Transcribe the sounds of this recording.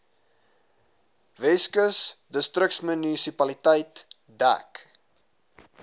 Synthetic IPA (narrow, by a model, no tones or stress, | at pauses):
vɛskəsdəstrəksmənisipɐlitəjt | dæ̰k